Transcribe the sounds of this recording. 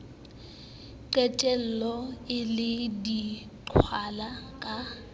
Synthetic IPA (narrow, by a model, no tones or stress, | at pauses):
ǃɛt͡ʃʼɛl̩lɔɪlɪdi | ǃʰwalakʼa